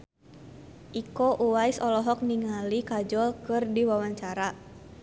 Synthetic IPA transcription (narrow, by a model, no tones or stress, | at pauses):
ʔikɔʔuwajsɔlɔɦɔk̚niŋalikad͡ʒɔlkɨrdiwawaɲt͡ʃaɾa